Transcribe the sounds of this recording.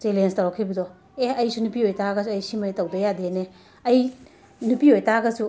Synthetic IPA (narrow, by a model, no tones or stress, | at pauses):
selenstɐwɾakʰibɐdɔ | eɐjsunupiojtaɡɐsuɐjsimajtɐwbɐjadene | ɐj | nupiojtaɡɐsu